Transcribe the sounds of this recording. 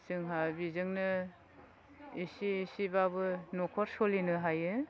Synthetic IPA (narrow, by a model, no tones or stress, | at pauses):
sɯŋɦabizɯŋnɯ | isiːsibabɯnɔkʰɔɾsɔlinɯɦajɯ